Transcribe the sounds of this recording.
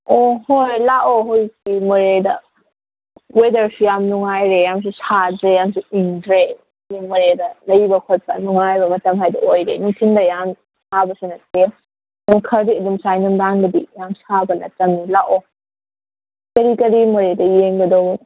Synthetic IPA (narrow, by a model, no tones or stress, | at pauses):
ɔhojlaʔoɦojsimɔɾedɐ̰ | wedɐɾsujamnuŋajɾejams̬usadɾejamsuiŋdɾe | nimɔɾedɐlɐjbɐkʰot̚pɐ̰nuŋajbɐmɐtɐmɦajdɔojɾenuŋtʰindɐjam | mabɐsunɐte | nakʰɐɾdiɐdumsajnɔmdaŋɡɐdḭjamsabɐnɐ̰tɐmnilaʔo | kɐɾikɐɾimɔɾedɐjeŋɡɐdɔ